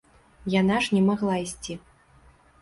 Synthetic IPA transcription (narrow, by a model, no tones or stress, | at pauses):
janaʐnʲɛmaɣlˠaisʲt͡sʲi